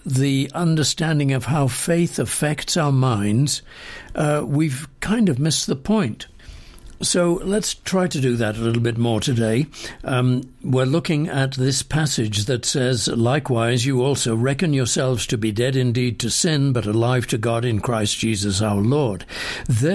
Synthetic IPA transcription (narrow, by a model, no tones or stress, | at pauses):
ðiʌ̃ndə˞stæ̃ndɪ̃ŋʌv̥haʊfeɪθɨfɛktsaʊə˞mãɪ̃ndz̥ | wiv̥kʰãɪ̃ndʌvmɪsðəpʰɔ̃ɪ̃nt | soʊlətstʰɹ̥aɪɾɨdɨðɨɾəlɪɾl̩ˠbɪt̬̚mɔɹɾɨdeɪ | wɪɹlʊkɪ̃ŋɨt̪̚ðɪspʰæsɪd͡ʒðɨtsɛzlaɪkwaɪzjɨɔlˠsoʊɹɛkɨ̃njə˞sɛlˠvz̥tʰɨbidɛɾɨ̃ndid̚tʰɨsɪ̃nbʌɾəlaɪv̥tʰɨɡɑɾɨ̃nkʰɹ̥aɪsd̥ʒ̥izɨsaʊə˞lɔɹd̪̚ | ðə